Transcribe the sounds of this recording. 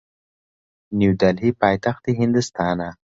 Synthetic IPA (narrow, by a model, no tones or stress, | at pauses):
njuwd̪alɦipɑːjt̪axt̪̚d̪iɦɪnd̪ʊst̪ɑːna